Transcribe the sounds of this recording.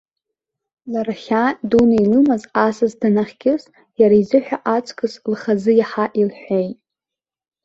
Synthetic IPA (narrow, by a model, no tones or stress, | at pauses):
laraχʲadunailɨmazasɨzdanaχʲɡʲɪs | jaɾaizɨħʷᶣaʔat͡sʰʼkʰʼɨslχazɨjaħaʔilħʷᶣejtʼ